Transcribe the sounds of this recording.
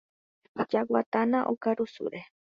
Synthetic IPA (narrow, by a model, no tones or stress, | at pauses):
d͡ʒawa̰t̪anãʔokaɾusṵɾe